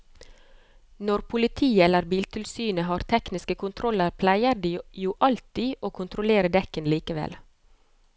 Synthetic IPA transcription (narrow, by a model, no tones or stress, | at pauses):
nɔɾpʰʊlɪt̪ʰiːəɛləɾbiːlt̪ʰɪlsyːnəɦɑːɾt̪ʰɛknɪskəkʰʊnt̪ʰɾɔləɾpʰlæɪəɾd̪iːjuːʔɑlt̪iːʔoːkʰʊnt̪ʰɾʊleːɾəd̪ɛkənliːkəʋɛ̰l